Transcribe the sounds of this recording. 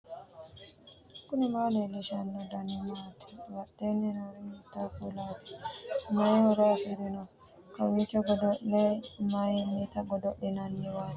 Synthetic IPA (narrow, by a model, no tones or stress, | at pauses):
kunimalɛlɛʃanːɔdanimatʰɛ̥waɗːɛnɛnɔɾinitakulati̥majɔɾafiɾinɔ | kawikɔɡɔdɔɗɛmajmitaɡɔdɔɗɛnanːɛwat